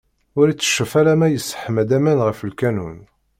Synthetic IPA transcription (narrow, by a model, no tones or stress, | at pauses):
ʊɾit͡sːə̥ʃːəfæɾæmæjəsːə̥ħəmæd̪æmænʁəfəlkænun